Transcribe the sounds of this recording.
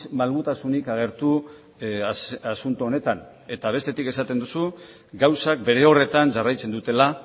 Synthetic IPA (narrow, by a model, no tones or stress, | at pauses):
malɣut̪asunikaɣ̞e̞ɾt̪u | asunt̪uone̞t̪an | e̞t̪aβe̞st̪e̞t̪ike̞sat̪e̞nd̪usu | ɡawsak̚be̞ɾe̞o̞re̞t̪anʝarajt͡se̞nd̪ut̪e̞la